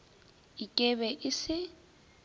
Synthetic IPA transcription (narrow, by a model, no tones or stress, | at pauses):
ikʼɛβɛʔɪsɪ